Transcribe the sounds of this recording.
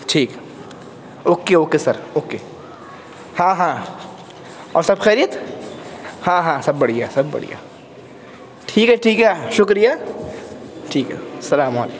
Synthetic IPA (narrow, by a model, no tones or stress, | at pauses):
ʈʰiːk | oːkeoːkesɐɾoːkeː | hãːɦãː | ɔ̰ːɾsɐbxɛːɾijət̪ | hãːɦãːsɐbːɐɽ̤ijaːsɐbbɐ̰ɽ̤ḭja̰ | ʈʰiːkɦɛʈʰiːkɦɛʃʊkɾijaː | ʈʰiːkɦɛ̰sɐlaːmaːlḛːk